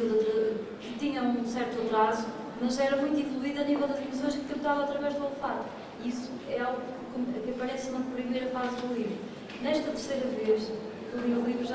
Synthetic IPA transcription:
ðot̪ɾɐ | kɨt̪iɲɐũsɛɾt̪uɐt̪ɾazu̥ | mɐʒɛɾɐmũj̃t̪uĩvlˠuiðanivɛlˠd̪ɐzimis̬õj̃ʃkɨt̪ẽmt̪avɐaɐt̪ɾɐvɛʒðolˠfat̪u̥ | iisu | ɛalˠɣukɨkomɐkɐpɐɾɛsnɐpɾimejɾɐfazðulˠivɾu | nɛʃt̪ɐt̪ɨɾsejɾɐveʃ | kuĩvlˠivɾuʒa

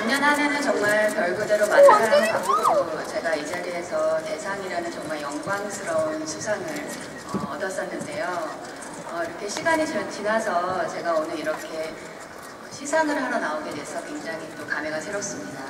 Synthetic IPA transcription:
aɲːʌnɦanenɯnt͡ɕʌŋmaɭkjʌɭɡudeɾomanaaɾɯnkaɡuɡoot͡ɕe̞ɡaid͡ʑaɾiɦe̞sʰʌte̞sʰaŋiɾanɯnt͡ɕʌŋmaɭjʌŋɡwaŋsʰɯɾʌunsʰusʰaŋɯɭ | ʌʌ̰dʌs͈ʌnːɯnde̞jo | ʌiɾʌkʰe̞ɕʰiɡaɲit͡ɕʌt͡ɕinasʰʌt͡ɕe̞ɡaonɯiɾʌkʰe̞ | ʌɕʰisʰaŋɯɭɦaɾʌnaoɡedwe̞sʰʌkwe̞ŋd͡ʑaŋit͈okame̞ɡasʰe̞ɾos͈ɯmɲida

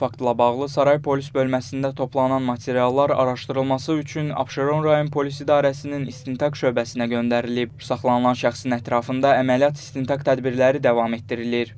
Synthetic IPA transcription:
fɑkt̪lˠɑbɑʁlˠɯsɑɾɑjpʰo̞lisbø̞lmæsind̪æt̪ʰo̞pʰlˠɑnɑnmɑt̪ʰe̞ɾijɑlˠːɑɾɑ̰ɾɑʃt̪ɯɾɯlˠmɑsɯyt͡ʃʰynɑ̰bʃeɾo̞nɾɑjo̞npʰo̞lisid̪ɑːɾæsininist̪int̪ʰɑkʃø̞bæsinæɟø̞nd̪æɾilibsɑχlˠɑnɯlˠɑnʃæxsinæt̪ɾɑfɯnd̪ɑæmælijɑt̪ʰi̥st̪int̪ʰɑkt̪ʰæd̪biɾlæɾid̪ævɑme̞t̪̚ːiɾiliɾ

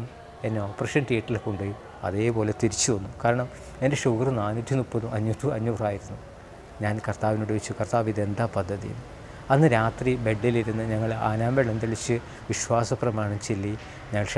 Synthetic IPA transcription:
m | e̞nːeoːpːrɐʂɐnʈiːʈːilkːuɳɖɐju | ɐ̰ðe̞ːpo̞ːle̞t̪iɾit͡ɕːuʋɐnːukaːɾɐɳɐm | e̞ndeʂuɡrɨnaːnutːunupːɐðumɐɲːut̪ːuɐɲːuːraːjiɾunːu | ɲaːnkɐrt̪aːʋinoːɽuʋet͡ɕːukɐrt̪aːʋid̪end̪aːpɐd̪ʱːɐðḭjṵnː | ɐnːɨɾaːt̪ribe̞ɖːiliɾunːɐɲɐŋːɐɭa̰ːnaːmbeɭɐnd̪iɭit͡ɕːɨ | ʋiɕwaːsɐprɐmaːɳɐmt͡ɕelːi | ɲɐːɭʂ

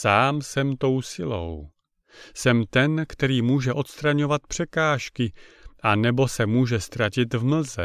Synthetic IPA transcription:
saːmsɛmt̪o̞wsɪlo̞̰w | sɛmt̪ɛnkt̪ɛɾiːmuːʒɛʔo̞t̪st̪ɾaɲo̞vat̪̚pr̝̥ɛkaːʃkɪʔanɛbo̞sɛmuːʒɛst̪ɾacɪt̪vml̩zɛ̰

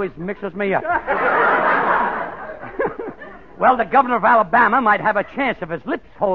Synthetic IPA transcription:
izmɪksɨzmiʌ̰ | wɛlˠðɨɡʌvə˞nə˞ʌvælˠəbæməmaɪt̚hɨvɨt͡ʃʰæ̃nsʌv̥ɨzlɪpshoʊ

